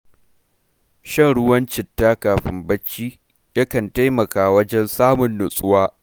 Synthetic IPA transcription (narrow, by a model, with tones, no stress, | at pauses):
ʃɐ˦˨ŋɽʊ˦wɐ˦nt͡ʃɪ˨tːaː˦kaː˨ɸɪ̰˦mbɐ˦t͡ʃːiː˦ | jɐ˦kɐ˨nta˦jmɐ˨kaː˨wɐ˦d͡ʒɛ˦nsaː˦mʊ˨nːʊ˨sʼʊ˦waː˦